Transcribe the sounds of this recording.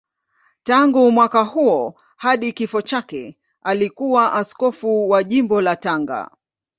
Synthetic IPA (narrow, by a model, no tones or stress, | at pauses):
taŋɡumwakahuɔ | haɗikifɔt͡ʃakɛ | alikuwaʔaskɔfuwaʄimbɔlataŋɡa̰